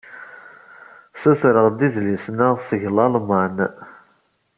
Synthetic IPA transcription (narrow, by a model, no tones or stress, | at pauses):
sæθɾəʁd̪iðlisnəʁsəʝlɑlˤmɑn